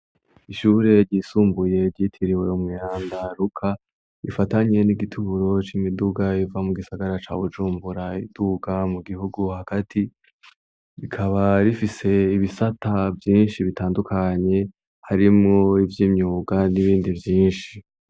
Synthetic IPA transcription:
iʃuːɾe̞ɾɟiːsuːmbuje̞ɾɟiːtʰiɾiwe̞umŋiːaːndaɾukʰa | ifataɲe̞niɡitʰuɾo̞t͡ʃimiduɡaivamuɡisaɡaɾat͡ʃa̰βud͡ʒuːmbuɾaid̥uɡamuɡihuɡuhakatʰi | ɾikʰaβaɾifise̞iβisatavjiːnʃiβitaːndukʰaɲe̞ | haɾimŋo̞ivjiːmɲuːɡaniβiːndivjiːnʃi

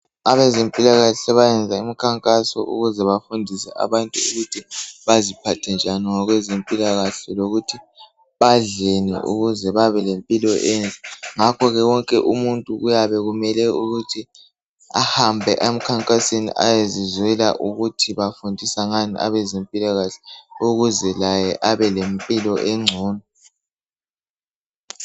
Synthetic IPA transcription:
aβɛzempʼilaɣaɬɛβajɛnd͡zʱaemikʰaŋkʼasɔ̰ʔṵɣuzɛβafundʱisɛ̰a̰βantʼuuɣutʰiβazipʰatʰɛnd͡ʒʱaniŋɔɣwɛzempʼilaɣaɬɛloɣutʰi | βaɮenḭʔṵɣuzɛβaβɛlempʼilɔʔent͡sʼɛŋakʰɔɣɛwɔŋkʼɛʔumuntʼuɣujaβɛɣumɛlɛuɣutʰi | ahambʱɛʔem̩kʰaŋkʼasenḭʔa̰jezizwɛla̰ʔuɣutʰiβafundʱisaŋaniʔa̰βɛzempʼilaɣaɬɛ̥uɣuzɛlajɛʔaβɛlempʼilɔʔeŋ͡ǀʱuːnɔ

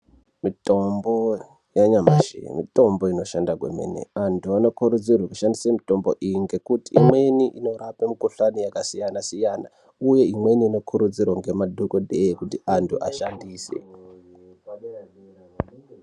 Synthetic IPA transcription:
mito̞mbo | jaɲamaʃḛmḭto̞mboino̞ʃandaɡwḛmḛnḛantʰuano̞kuɾud͡zirwakuʃandisemito̞mbo̰ʔiŋɡe̞kutiːmwe̞niʔino̞ɾapemikuɬanijakasijanasijaːna | uje̞imwe̞niːno̞kʰuɾud͡zirwaŋɡe̞madʱukodʱejekutiʔantʰuʔa̰ʃandiːsḛ

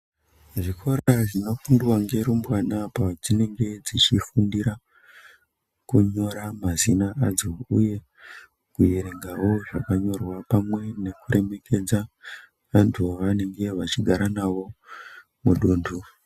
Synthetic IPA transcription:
ʐikʰo̞ɾaʐino̞fundiwaŋɡe̞ɾumbwanapad͡zine̞ŋɡe̞d͡zit͡ʃifundiɾa | kuɲo̞ɾamazinaʔad͡zo̞uje̞ | kujeɾeŋɡawo̞ʐakaɲo̞rwapamwe̞ne̞kuɾe̞me̞kʰe̞d͡za | ʋantʰuʋane̞ŋɡe̞ʋat͡ʃiɡʱaɾanaʋo̞ | muɗuːndu

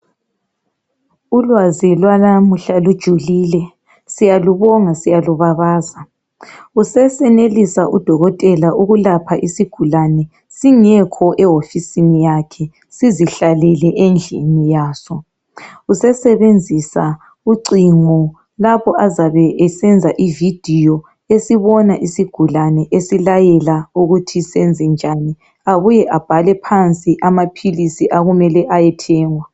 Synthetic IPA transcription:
ulwazilwanamuɬalud̥ʒ̥ʱuliːlɛ | sijaluβɔŋasijaluβaβaːza | usɛsɛnelisaʔud̥ʱɔɣɔtʼɛlaʔuɣulapʰaʔisiɡ̥ʱulanɛ | siŋɛkʰɔʔɛofisinijakʰɛ | siziɬalɛlɛʔend͡ɮʱḭnijaːsɔ | usɛsɛβend͡zʱisa | uǀiŋɔ | lapɔʔazaβɛʔɛsɛnd͡zʱaʔivid̥ʱijɔ | esiβɔnaʔisiɡ̥ʱulanɛʔesilajɛlauɣutʰisɛnd͡zʱɛnd͡ʒʱani | aβujɛʔab̥ʱalɛpʰant͡sʼiʔamapʰilisiʔaɣumɛlɛʔajɛtʰɛːŋwa

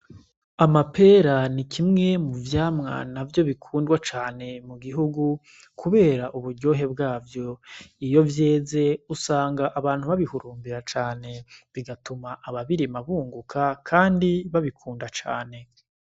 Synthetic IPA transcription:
amape̞ːɾanikʰimŋe̞muvjaːmŋa̰navjo̞βikʰuːndɡwat͡ʃaːne̞muɡiɦuɡu | kʰuβe̞ːɾaʔuβuɾɟo̞ːɦe̞bɡaːvjo̞ijo̞vje̞ːze̞usaːŋɡaʔaβaːn̥huβaβihuɾuːmbiɾat͡ʃaːne̞βiɡatumaʔaβaβiɾimaβuːŋɡukʰakʰaːndiβaβikʰuːndat͡ʃa̰ːne̞

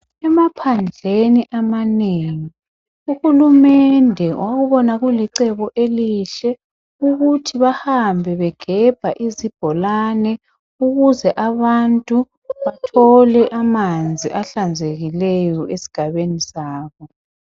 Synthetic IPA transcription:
ɛmapʰand͡ɮʱeniʔamaneːŋi | uxulumɛndʱɛwʔaɣuβɔnaɣuliǀɛβɔʔeliʃɛ | uɣutʰiβahambʱɛβɛɡ̥ʱɛb̥ʱaʔizib̥ʱɔlanɛ | uɣuzɛʔaβantʼu | βatʰɔlɛʔamand͡zʱiʔaɬand͡zʱeɣilɛjɔʔesi̥ɡ̥ʱaβenisaːβɔ

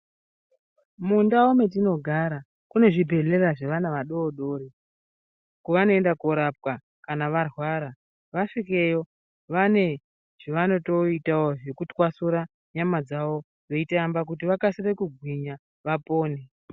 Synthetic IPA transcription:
mundaome̞t̬ino̞ɡʱaɾa | kune̞ʐibʱe̞ɮe̞raʐeʋanaʋaɗo̞ːɗo̞ːɾi | kuʋano̞endakuɾap̚wa | kanaʋarwaɾa | ʋaʂike̞jo̞ | ʋane̞ | ʐ̥iʋano̞to̞itaoʐe̞kutwasuɾa | ɲamad͡zaʋo̞ | d͡ze̞itaambak̬utiʋakasire̞kuɡʱwiɲa | ʋapo̞ːne̞

